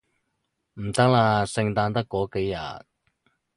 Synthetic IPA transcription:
m̩˨˩t̪ɐ˥k̚laː˧sɪ˧ŋt̪aː˧nt̪ɐ˥kːɔː˨˥ke˨˥jːɐ̰˨t̚

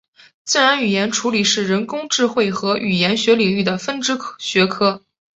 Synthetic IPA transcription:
t͡sɹ̩˥˩ɻa˧˥ny˨˩jɛ˧˥nʈ͡ʂʰu˧˥li˨˩ʂɻ̩˥˩ɻə˧˥nkʊ˥ŋʈ͡ʂɻ̩˥˧xwe˥˩ɪxɤ˧˥ʔy˨˩jɛ˧˥nɕɥɛ˧˥li˨˩ŋy˥˩d̪ə˩fə˥nʈ͡ʂɻ̩˥ɕɥɛ˧˥kʰɤ˥

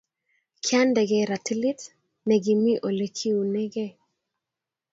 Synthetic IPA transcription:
kʰja˦ndɛ˨ɡɛ˨ɾa˨ti˦li˦t | nɛ˨ɡi˨mi˦ʔo˨le˨kʰi˦u˨nɛ˦ɡe˦˨

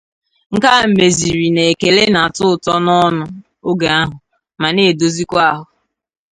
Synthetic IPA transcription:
ŋ̩˨ka˦m̩˨me˨zi˨ɾi˨ne˨e˨ke˨le˦na˨tʊ˦ʊ˨tɔ˦nɔ˦nʊ˦ | o˦ɡa˨a˦ɦʊ˨ | ma˨ne˨do˨zi˦kʷa˦a˦˨ɦʊ˨

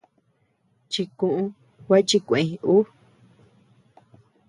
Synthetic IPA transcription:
t͡ʃi˧kũ˧ʔũ˧ | wʷa˦t͡ʃi˧kʷẽ˨ĩ˧u˦

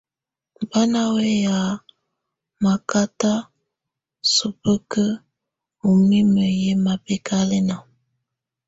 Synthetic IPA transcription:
ba˦na˦we˦ja˨ | ma˨ka˦ta˦ | su˨pə˦kə˦ | u˨mi˦mə˨je˦ma˨pe˦ka˦le˦na˨

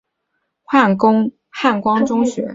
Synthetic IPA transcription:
xa˥˩kʊ˥ŋ | xa˥˩nkwɑ˥ŋʈ͡ʂʊ˥ŋɕɥɛ̰˧˥

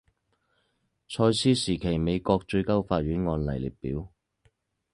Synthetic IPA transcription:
t͡ʃʰɔː˧jsiː˥siː˨˩kʰe˨˩jme˨˧jkɔː˧k̚t͡ʃɵ˧ɥkɐ˥wfaː˧t̚ɥyː˨˥nŋɔː˧nlɐ˨˩jlḭ˨t̚pːiː˨˥w

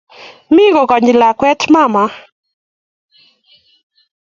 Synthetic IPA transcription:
mɪ˦ɣɔ˨kɔ˨ɲi˨la˨kwɛ˦tʰma˦˨ma˦

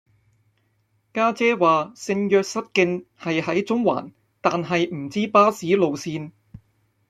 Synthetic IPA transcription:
kaː˥t͡sɛː˥waː˨sɪ˧ŋjœː˧k̚sɐ˥t̚kɪ˧ŋhɐ˨jhɐ˨˥jt͡sʊ˥ŋwa̰ː˨˩n | t̪aː˨nɦɐ˨jm̩˨˩t͡siː˥paː˥siː˨˥lo˨˧wsiː˧n

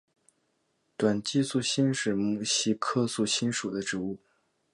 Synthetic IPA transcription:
t̪wa˨˩nt͡ɕi˥˧su˥˩ɕi˥nʂɻ̩˥˩mu˧˩ɕi˥kʰɤ˥˧su˥˩ɕi˥nʂu˨˩d̪ə˦ʈ͡ʂɻ̩˧˥u˥˩

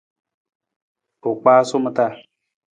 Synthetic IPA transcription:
o˨k͡paː˦sʊ˦mə˨ta˦˨

